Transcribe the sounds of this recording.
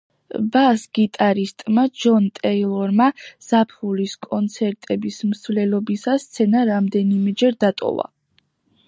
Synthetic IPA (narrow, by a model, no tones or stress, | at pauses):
basɡ̥it̪ʼaɾist̪ʼmad͡ʒɔnt̪ʼɛilˠɔɾmaz̥apʰuliskʼɔnt̪sʰɛɾt̪ʼɛbismsvlɛlɔbisast̪sʰɛnaɾamd̪ɛnimɛd͡ʒɛɾd̪at̪ʼɔ̰va̰